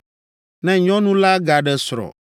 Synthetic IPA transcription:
nɛ̃˨ɲɔ̃˦nũ˦la˦ɡa˨ɖɛ˦sɾɔ̰˨

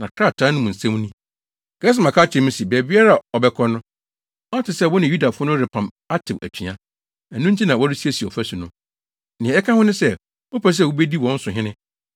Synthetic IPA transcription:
nã˨kʰɾa˦˨tʰã˦nʊ̃˦mũ˨n̩˨sã˦m˦nĩ˦ | ɡ̥ɛː˦s̬ɪ˦mã˨kʰa˦t͡ɕʰɪ˨˦m̩ũ˦si˨bɛ˨bi˦a˦ɾa˦˨ɔ˨bɛ˦kʰɔ˦nʊ̃˦ | ɔ˦tʰɪ˨sɛ˦˨wʊ˦nɪ̃˨ju˦da˨fʊ˦nʊ̃˦ɾɪ˨pʰã˨m | a˦tʰɪ˨ʔæ̰˨t͡ɕʰᶣĩ˨ã˦ | æ˨nʊ̃˦ɲ̩˦t͡ɕʰi˦nã˨wɔ˦ɾɪ˦si˦e˦˨si˨ɔ˨fæ˦su˨nʊ̃˦ | nɪ̃˨ɛ̃˨ɛ˦kʰã˦hʊ̃˦nʊ̃˦sɛ˦˨ | o˦pʰæ˦s̬ɛ˦˨wu˦be˦di˦wɔ̃˨˦n̩˦sʊ̃˨ɦɪ̃˦nɪ̃˦

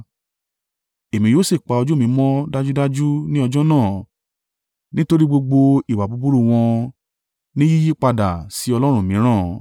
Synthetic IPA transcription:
e˨mĩ˧joː˦si˦˨k͡pa˨˧ɔ˧d͡ʒu˦mĩ˨˦mɔ̃˦da˦d͡ʒu˦da˦d͡ʒu˦nĩ˦ɔ˧d͡ʒɔ˦nãː˦˨ | nĩ˦to˦ɾi˦ɡ͡bo˧ɡ͡bo˧i˨wa˨bu˨˧bu˦ɾu˦˨w̃ɔ̃˧ | nĩ˦ji˦ji˦k͡pa˧da˨si˨˦ɔ˧lɔ˦ɾ̃ũ˦˨mĩ˨˦ɾ̃ãː˦˨

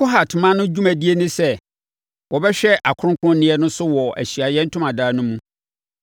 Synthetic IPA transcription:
kʰo˦ɦa˨tʰmã˦nʊ̃˦d͡ʑu˦mæ̃˨di˦e˦nʊ̃˦sɛ˦ | wɔ˨bɛ˦ɕᶣɛ˦ʔa˨kʰʊ˦ɾʊ̃˦ŋkʰʊ̃˦n˦nɪ̃˦ɛ˦nʊ̃˦sʊ˦wɔ˨æ̰˨ɕi˨a˨jɛ˦n̩˦tʰʊ̃˦mã˨daː˦nʊ̃˦mũ˦

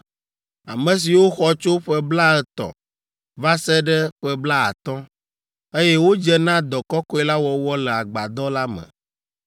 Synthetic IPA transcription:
a̰˨mə̃˨s̬i˨wo˦xɔ˨t͡ʃo˦ɸɛ˦bla˦ɛ˦t̪ɔ̰˨ | va˦sɛ˦ɖɛ˦ɸɛ˦bla˦a̰˨t̪ɔ̃˦ | e˦jɛ˦wo˦d͡ʒɛ˦nã˦d̪ɔ˨kɔ˦kɔ˦ɛ˦la˦wɔ˨wɔ˦lɛ˨a˨ɡ͡ba˨d̪ɔ˦la˦mə̰̃˨

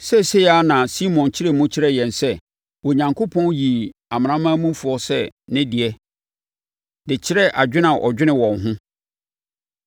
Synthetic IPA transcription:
sɛ˦se˦ja˦nã˨si˦mɔ̃˨nt͡ɕʰɪ˦ɾɛ˦mʊ̃˦t͡ɕʰɪ˦ɾɛ˦˨jɛ̃˨nsɛ˦˨ | wɔ˨ɲã˨ŋkʰo˦pʰɔ̃˦nji˨a˨mɪ̃˨nã˦mã˦mũ˦fʊ˨ɔ˦sɛ̰˦˨nɪ̃˦di˨ɛ˦ | dɪ˨t͡ɕʰɪ˦ɾɛ˦ʔa˨d͡ʑᶣɪ˦nã˨ʔɔ̰˨d͡ʑᶣɪ˦nɪ̃˦wɔ̃˨ŋɦʊ̃˦

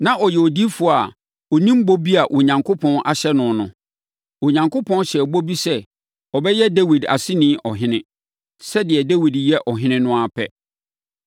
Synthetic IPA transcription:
nã˨ʔɔ˨jɛ˨ɔ˨di˦fʊ˦˨a˨ | ɔ˨nĩ˦m̩˦bo˦bi˦a˨ʔo˨ɲã˨ŋkʰo˦pʰɔ̃˦nʔa̰˨ɕɛ˦nʊ̃˨nʊ̰̃˨ | o˨ɲã˨ŋkʰo˦pʰɔ̃˦nɕɛ˨bo˦bi˦sɛ˦ | ɔ˨bɛ˦jɛ˦de˦wi˨da̰˨sɪ˦nɪ̃ː˦ʔɔ˨ɦɪ̃˦nɪ̃˦ | sɛ˦dɪ˨ɛ˨de˦wi˨djɛ˦ʔɔ˨ɦɪ̃˦nɪ̃˦nʊ̃˦a˨pʰɛ˦

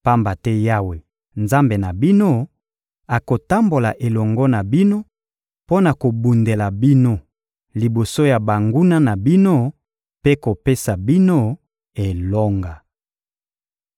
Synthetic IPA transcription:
pa˦mba˨tɛ˦ja˦we˨ | nza˦mbe˨na˨bi˦no˦ | a˨ko˨ta˦mbo˨la˨ʔe˨lɔ˨ŋɡɔ˦na˨bi˦no˦ | po˦na˨ko˨bu˨nde˨la˨bi˦no˦ | li˨bo˨so˦ja˨ba˨ŋɡu˦na˦na˨bi˦no˦ | pe˦ko˨pe˦sa˨bi˦no˦ | e˨lɔ˦ŋɡa˨

